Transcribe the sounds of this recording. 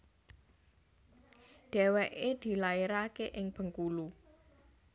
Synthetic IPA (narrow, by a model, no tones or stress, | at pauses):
ɖ̥ɛweʔed̪̥i̤laeɾakeʔɪŋb̥ə̤ŋkulu